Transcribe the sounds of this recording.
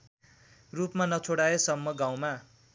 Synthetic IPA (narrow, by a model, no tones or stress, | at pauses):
rupmanʌt͡sʰoɽaesʌmːʌɡãw̃ma